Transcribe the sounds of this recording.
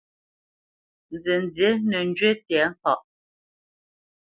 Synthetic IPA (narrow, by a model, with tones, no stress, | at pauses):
n˨ze˨n˨d͡zje˨˦nə˨n˦d͡ʒɥe˦tjɛ˨˦ŋ̩˦kɔ˦˨ʔ